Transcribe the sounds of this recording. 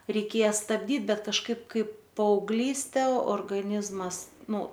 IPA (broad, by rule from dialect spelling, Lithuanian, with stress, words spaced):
rʲɛɪˈkʲeːjɛ stɐbʲˈdʲiːt ˈbʲɛt kɐʃˈkɐɪp ˈkɐɪp pɐɐʊɡˈlʲiːsʲtʲɛ oːrɡɐˈnʲɪzmɐs ˈnʊ